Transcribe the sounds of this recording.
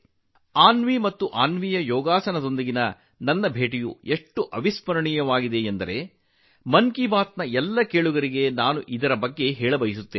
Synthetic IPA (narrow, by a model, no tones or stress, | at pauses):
aːnʋimɐt̪ːuʔaːnʋijɐjɔːɡaːsɐnɐt̪o̞nd̪ɐɡinɐ | nɐnːɐbʱe̞ːʈ̬ijṵeʂʈːuʔɐʋispɐɾɐɳijɐʋaːɡid̪e̞end̪ɐɾe̞ | mɐŋkibaːt̪nɐɛlːɐkeːɭuɡɐɾiɡe̞naːnuʔid̪ɐɾɐbɐɡːe̞ɦɛːɭɐbɐjisut̪ːeːn